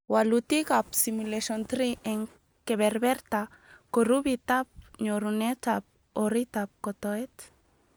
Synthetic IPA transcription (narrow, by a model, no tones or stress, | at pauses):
walut̪ikap̚simuleʃont̪ɾiʔeŋ | keβeɾbeɾt̪a | koɾuβit̪ap̚ɲoɾunet̪ap̚ | oɾit̪ap̚kot̪oet̪